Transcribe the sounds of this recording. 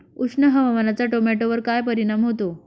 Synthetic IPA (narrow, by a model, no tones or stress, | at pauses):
uʂɳəɦəʋamanat͡saʈomɛʈoʋəɾkajpəɾiñamɦot̪o